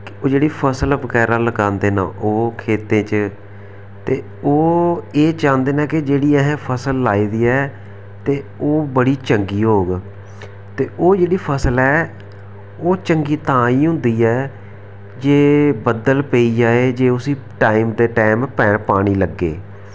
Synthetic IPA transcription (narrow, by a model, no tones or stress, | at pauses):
koːd͡ʒeːɽiːpʰəsəlbəkɛːɾaːləkãːnd̪eːnã̰ːʔoːkʰeːt̪ẽːt͡ʃ | t̪eː | oːeːt͡ʃãːnd̪eːnãːkɪd͡ʒeːɽiːɛɦɛ̃ːpʰəsəlːaːiːd̪iːɛː | t̪eːoːbəɽiːt͡ʃəŋɡiːɦoːɡ | t̪eːʔoːd͡ʒeːɽiːpʰəsəlɛː | oːt͡ʃəŋɡiːt̪ãːiːɦʊ̃nd̪iːɛː | d͡ʒeːbəd̪əlpeːiːd͡ʒaːeːd͡ʒeːʊsiːʈaːiːmd̪eːʈaːɪmpɛːɳpaːɽ̃iːləɡːḛː